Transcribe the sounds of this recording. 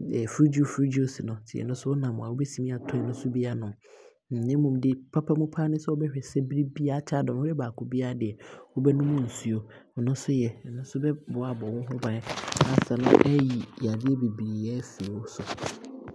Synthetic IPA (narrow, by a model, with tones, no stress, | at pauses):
ɛ˨fɾi˦d͡ʑu˦˨fɾi˦d͡ʑu˦˨˦si˨nʊ̃˨tʰɪ˨ɛ̰˨nʊ̃˦sʊ˦wɔ˦nã˨mʊ̃˨a˨wo˦bɛ˦si˨mĩ˦a˨tʰʊ̃˦˨nʊ̃˦sʊ˦bi˦a˦nʊ̃˨ | nɪ̃˦mũ˨mdɪ˦pʰa˦pʰa˦mũ˦pʰaː˦nɪ̃˦sɛ˦wɔ˦bɛ˦hᶣɛ˨sɛ˦bɾi˦bi˦a˦t͡ɕʰa˦dɔ̃˨˦ɛ˦baː˨kʰʊ˦bi˦a˦dɪ˨ɛ˨wɔ˦bɛ˦nʊ̃˦mʊ̃˦n̩˨su˦o˨ | nʊ̃˦sʊ˦jɛ˨nʊ̃˦sʊ˦bɛ˦bʊ˨a˨bɔ˨wʊ̃˦ɦʊ˦bã˨n˦a˨sa˨nʊ̰̃˦ʔɛ˦ji˨a˨dɪ˦ɛ˦be˨bi˨ɾi˨jɛ˦fi˨wɔ˦sʊ˨